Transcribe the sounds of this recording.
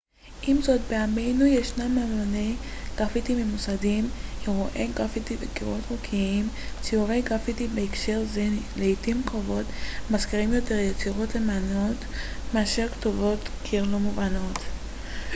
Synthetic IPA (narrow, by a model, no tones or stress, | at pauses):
ʔimzo̞t̚beame̞jnujeʃnamamone̞jɡ̥ʁafitimimusadimheʁuʔe̞jɡʁafitibekiʁo̞tʁokʰiim | siuve̞jɡʁafitibeikʃe̞ʁzeleitimkovo̞tmaskiʁimjo̞te̞ʁjet͡siʁo̞tle̞mano̞tmeaʃeʁktovo̞tkʰilomuvano̞t̪